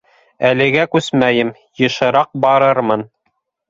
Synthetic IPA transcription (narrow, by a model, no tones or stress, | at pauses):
ælɘ̆ɡækʉsmæjɘm | jɤ̆ʃɤ̆ɾɑq̚bɑɾɤɾmɤn